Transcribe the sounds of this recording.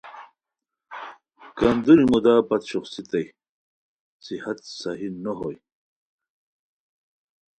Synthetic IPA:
kɐnd̪ulimud̪aːpɐt̪ɕuχsit̪ɐj | sihɐt̪sɐɦinoɦoj

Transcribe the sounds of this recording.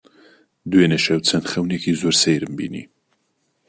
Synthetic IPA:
d̪weneʃɐwt͡sʰɐnxɐwnekʰizoːɾsejɾɨmbḭːnḭ

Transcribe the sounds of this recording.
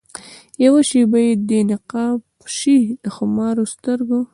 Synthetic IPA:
jawaʃibajed̪enɪqɑb | ʃid̪̥əxʊmɑɾost̪əɾɡo

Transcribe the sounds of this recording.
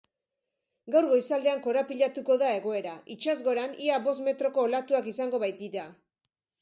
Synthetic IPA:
ɡawɾɣo̞isald̪e̞aŋko̞ɾapiʎat̪uko̞ðae̞ɣo̞e̞ɾaʔit͡ʃazɣo̞ɾaniaβo̞sme̞t̪ɾo̞ko̞ːlat̪uakisaŋɡo̞βajt̪iɾa

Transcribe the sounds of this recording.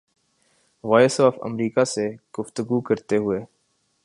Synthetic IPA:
ʋɔːɪsɔːfə̰mɾiːkaseɡ̥ʊft̪əɡukɐɾt̪eɦʊeː

